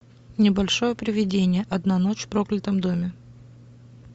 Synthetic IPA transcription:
nʲɪbɐlʲʂojəpɾʲɪvʲɪdʲenʲɪjəʔɐd̪nano̞t͡ɕfpɾoklʲɪt̪əmd̪o̞mʲɪ

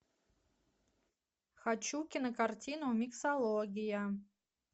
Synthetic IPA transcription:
xat͡ʃukʲinɨkartʲinumʲiksalˠoɡʲija

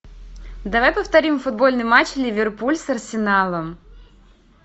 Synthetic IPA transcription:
d̪ɐvajpəft̪ɐɾʲimfʊd̪̚bo̞lʲnɨjmat͡ɕlʲɪvʲɪrpulʲsɐrsʲɪnalˠəm

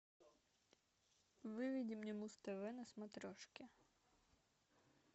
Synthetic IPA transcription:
ʋɪʋʲidʲimnʲɔmust̪ɐʋɪnɐsmɐt̪ɾɔʃkʲɪ

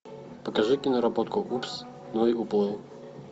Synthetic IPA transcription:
pəkɐʐɨkʲɪnɐɾɐbot̪kʊkups | nɔiʊplˠɨ

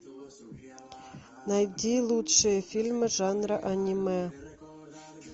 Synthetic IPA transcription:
nɑjd̪ʲilˠut̪ʂɨjəfʲilʲmɘ̆ʐɑnrəʔanʲimɑ

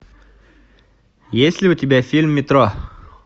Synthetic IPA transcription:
jesʲlʲɪʊtʲɪbʲafʲilʲmːʲɪt̪ɾo

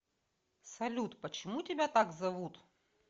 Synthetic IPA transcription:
sɐlʲut̪pət͡ɕɪmutʲɪbʲat̪aɡzɐvut̪

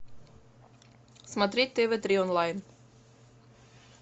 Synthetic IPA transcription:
smad̪ɾit̪̚t̪ːeːvet̪ɾiɔnlajn

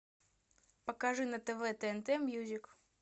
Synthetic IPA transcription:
pɐkaʐɨnɐt̪ɛvɛt̪ɛɛnt̪ɛmʲjuzʲɪk

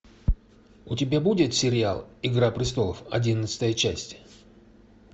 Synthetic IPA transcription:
ʊtʲɪbʲabudʲɪt̪sʲɪɾʲɪa̰lˠɪɡɾapɾʲɪst̪o̞lˠəfɐ̰dʲinət̪sɨ̥t̪əjət͡ɕæsʲtʲ

